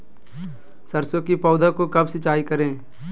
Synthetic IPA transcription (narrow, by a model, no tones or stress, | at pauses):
sɐɾsõkipɔːd̪ʱakokɐbsɪt͡ʃaːikɐɾẽː